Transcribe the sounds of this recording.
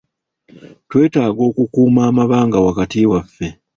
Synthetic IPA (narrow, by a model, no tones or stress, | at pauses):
twe̞ːtaːɡo̞ːkukuːmaːmaβaːŋɡawakatiwafːe̞